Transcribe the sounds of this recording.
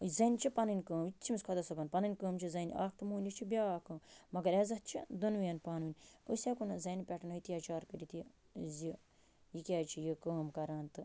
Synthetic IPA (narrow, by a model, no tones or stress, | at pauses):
zɐnʲt͡ʃʰipɐnɨnʲkəːmit̪ʲt͡ʃʰimiskʰɐd̪ɐsɐbɐnpɐnɐnʲkəːmt͡ʃʰizɐnʲʔa̰ːkʰt̪ɨmuːnʲit͡ʃʰibʲaːkɨːmɐɡɐɾezɐt̪̚t͡ʃʰid̪unʋijɐnpaːnʋinʲəsʲekunɐzɐnʲpʲɛʈɐnoit̪ijaːt͡ʃaːɾkəɾit̪i | zi | jikʲaːt͡ʃʰijikəːmkɐɾaːnt̪ɨ